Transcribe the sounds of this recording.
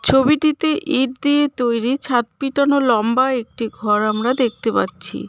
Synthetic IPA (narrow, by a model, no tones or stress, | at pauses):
t͡ɕʰobiʈit̪eʔiɖd̪iet̪ojɾit͡ɕʰat̪̚piʈanolɔmbaek̚ʈiɡʱɔɾamɾad̪ek̚ʰt̪epa̰tːɕʰḭ